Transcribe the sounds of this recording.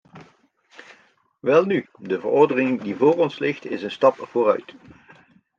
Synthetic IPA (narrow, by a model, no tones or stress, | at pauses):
ʋɛlˠny | dəvə̰rɔɹdənɪŋdivʊːrɔnslɪχtɪsənstɑpv̥oːrœ̰ɥt